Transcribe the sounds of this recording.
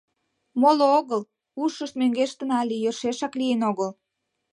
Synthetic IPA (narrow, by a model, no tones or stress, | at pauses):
molooɣəl | uʃəʃt̪̚møŋɡeʃt̪ə̆nɑlijørʃeʃɑklienoɣəl